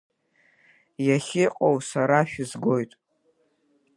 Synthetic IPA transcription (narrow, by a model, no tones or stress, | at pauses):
jaχʲɪqʼowsaɾaʃᶣʊzɡojtʼ